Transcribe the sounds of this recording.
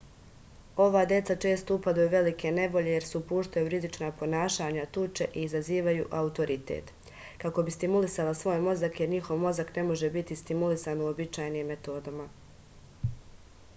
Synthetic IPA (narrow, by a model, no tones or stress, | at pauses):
o̞ʋaːd̪je̞t̪sat͡ʃe̞ːst̪o̞upad̪ujuʋe̞likʰe̞ne̞ʋo̞ʎe̞je̞ɾseupuːʃt̪ajuɾizit͡ʃnaːpo̞naːʃaːɲat̪ut͡ʃe̞̰ʔiːzaziːʋajuʔaut̪o̞ɾʔit̪ḛt̪ | kako̞bist̪imulisalasʋo̞ːjmo̞zakje̞ɾɲixo̞ʋmo̞zakne̞mo̞ʒe̞bit̪ist̪imulisaːnuobit͡ʃaːjniːmːe̞t̪o̞ːd̪ama